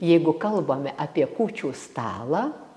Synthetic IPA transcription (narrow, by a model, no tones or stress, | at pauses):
jɛɪɡʊkɐlˠboːmʲɛʔɐːpʲiɛkuːt͡ʃʲuːst̪ɑ̰ːlˠɑː